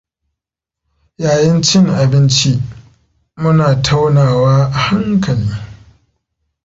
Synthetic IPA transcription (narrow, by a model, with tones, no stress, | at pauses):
jaː˨jɐ˦nt͡ʃɪ˦ŋʔa˨bɪ˦nt͡ʃi˦ | mʊ˦naː˨tʰa˦wnaː˨waː˦ʔa˨ha˦ŋkʰɐ˨liː˦